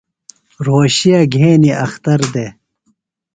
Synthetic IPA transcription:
ɾoːɕijaɡʱeːniɐxt̪ɐɾd̪e

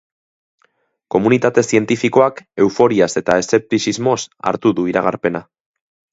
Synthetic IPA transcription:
ko̞munit̪at̪e̞sie̞nt̪ifiko̞ake̞wfo̞ɾiase̞t̪ae̞se̞p̚t̪isizmo̞sa̰ɾt̪uðuiɾaɣ̞a̰ɾpe̞na

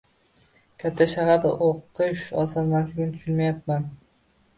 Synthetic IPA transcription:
kʲʰat̪ʰːaʃahaɾd̪a̰ʔoqʰːɨʃɒ̰sɒnmaslɪɡʲnɪt̪ʊ̥ʃʊnmajap̚man

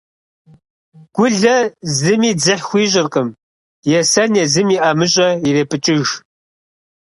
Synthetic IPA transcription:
ɡ̥ʷʊɮɐzɨmiːd͡zɨħxʷiːɕʼɪrqʼəm | jɛsɐnjɛzɨmiːʔɐmɨɕʼɐireːpʼɨt͡ʃʼɪʒ

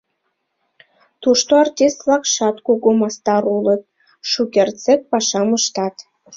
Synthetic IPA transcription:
t̪uʃt̪oɑrtʲist̪βlɑkʃɑt̪kuɣomɑst̪ɑɾulɤt̪̚ | ʃukʲert͡sek̚pɑʃɑməʃt̪ɑt̪

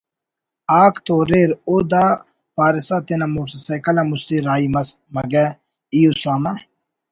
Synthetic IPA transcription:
aːkt̪oɾeːɾoːd̪a | paːɾɪsat̪enɐmusisɐkɐlamust̪iɾaːimɐs | mɐɡɛ | ijusaːma

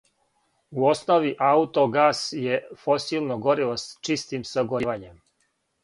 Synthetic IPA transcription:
uosnoʋiʔaut̪o̞ɡaːsjefo̞siːlˠnoɡo̞ɾilost͡ʃist̪imsaɡoɾiʋaɲem

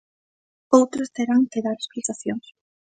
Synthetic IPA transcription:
owt̪ɾest̪eɾaŋkeðaɾesplit̪aθjoŋs

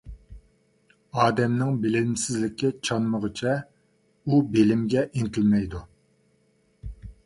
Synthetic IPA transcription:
ɑːd̪ɛmnɪŋbɪlɪlmsɪzlɪkʲːɛt͡ʃʰɑnməʁət͡ʃʰɛ | ubelɪmɡʲɛʔint̪ʰɪlmɛjd̪u

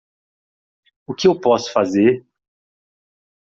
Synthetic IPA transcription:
ʊkɪewpɔsʊ̥fazeɾ

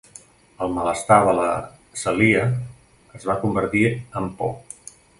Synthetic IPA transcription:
əlˠmələst̪aðələ | səliəː | zβakumbəɾt̪iəmpɔ̰

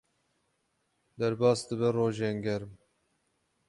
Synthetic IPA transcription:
d̪ɛɾbɑːsd̪ɨbɛroːʒeːŋɡɛɾm

